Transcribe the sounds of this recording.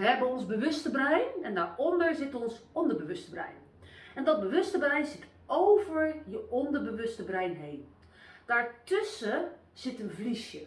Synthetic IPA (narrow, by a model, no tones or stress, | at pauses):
ʋəɛbənɔnzbəʋøstəbrɛjnɛndaːɹɔndəɹzɪtɔnsɔndəbəʋøstəbrɛ̰jn | ɛndɔt̚bəʋøstəbrɛjnsɪt | owvəɹjəɔndəɹbəʋøstəbrɛjnɦeːn | d̥aːɹtøsə | z̥ɪtənvlisjə